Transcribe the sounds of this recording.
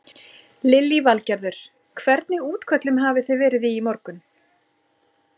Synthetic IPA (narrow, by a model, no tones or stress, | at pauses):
lɪlːivalcɛɾðʏɾ̥ | kʰvɛɾt̪nɪuːt̪kʰœt̪lʏmɦaːvɪθejvɛːɾɪðiːmɔɾkʏn